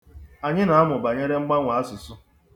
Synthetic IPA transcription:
a˨ɲɪ˦na˨a˦mʊ˨ba˨ɲe˦ɾe˦ŋ͡m̩˦ɡ͡ba˦ŋʷa˨a˦sʊ˨sʊ˦

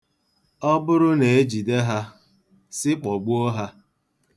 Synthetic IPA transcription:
ɔ˦bʊ˦ɾʊ˦ne˨e˦d͡ʒi˨de˦ɦa˦ | sɪ˦k͡pɔ˨ɡ͡bu˦ɔ˦ɦa˦

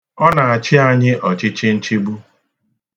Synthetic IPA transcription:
ɔ˦na˨a˨t͡ʃɪ˦a˨ɲɪ˦ʔɔ˨t͡ʃɪ˦t͡ʃɪ˦n̩˦t͡ʃi˦ɡ͡bu˦

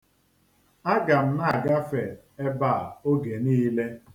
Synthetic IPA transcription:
a˦ɡa˨m̩˦na˦a˨ɡa˦fe˨ | e˦ba˦˨o˦ɡe˨niː˦le˦

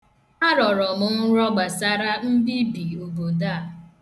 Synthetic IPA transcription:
a˦ɾɔ˨ɾɔ˨mʊ˨n̩˦ɾɔ˦ɡ͡ba˨sa˦ɾa˦m̩˦bi˦bi˨o˨bo˨da˦˨

